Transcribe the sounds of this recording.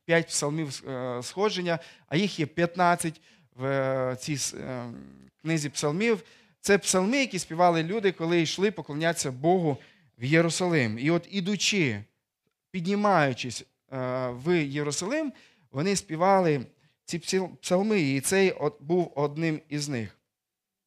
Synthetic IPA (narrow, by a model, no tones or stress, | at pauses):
pʲjat̚ʲpsɐlˠmʲiwsxɔʒenʲːɐɐ̰jixjɛpʲjɐt̪nɑt͡sʲːɐtʲ | wt͡sʲijs | knɪzʲipsɐlˠmʲiw | t̪sɛpsɐlˠmɪjɐkʲisʲpʲiʋɑlˠɪlʲud̪ɪkɔlˠɪiʃlˠɪpɔklˠɔnʲat͡sʲːɐbɔɦʊ | wjeɾʊsɐlˠɪmiɔt̪id̪ʊt͡ʃɪ | pʲidʲnʲimɑjʊt͡ʃɪsʲ | ʋjeɾʊsɐlˠɪm | ʋɔnɪspʲiʋɑlˠɪ | t͡sʲipsʲipsɐlˠmɪːt̪sɛjbuwɔd̪̚nɪmiznɪ̰x